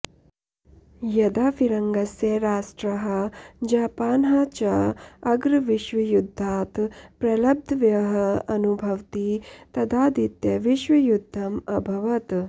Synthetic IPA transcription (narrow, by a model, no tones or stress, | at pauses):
jɐd̪aːfiɾɐŋɡɐsjeɾaːʂʈɾɐɦɐd͡ʒaːpaːnɦɐt͡ʃɐɐɡɾʋiʃʋɐjud̪ʱːaːt̪pɾɐlɐb̚d̪ʱʋjɐɦɐɐnubʱɐʋt̪it̪ɐd̪aːd̪it̪jɐʋiʃʋɐjud̪ʱːɐmɐbʱɐʋɐt̪